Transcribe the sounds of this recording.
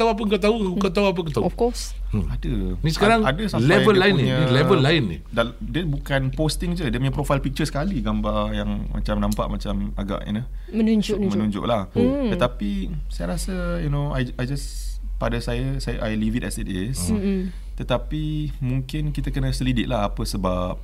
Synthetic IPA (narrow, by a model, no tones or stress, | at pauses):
t̪auap̬əkət̪aukət̪auap̬əkət̪auɔffkɔs | adənisə̥kaɾaŋadəsalɛvəllaɪniilɛvəllːaɪnːḭda | dəbukanpost̪ɪŋd͡ʒədiəməɲapɾofajlpik̚t͡ʃəsə̥kaliɡambajaŋmʔa̰t͡ʃamnãmpa̰ʔmat͡ʃama̰ɡa̰ʔḭnu | mənuɲd͡ʒʊʔmənũɲd͡ʒʊ̰ʔlaht̪ət̪apisajəɾasəjunoajajd͡ʒaspadasajəsajʔajlivitɛsitis | t̪ət̪apimuŋkɪnkit̪əkənəsəlidɪʔ̚lahapəsəbap̚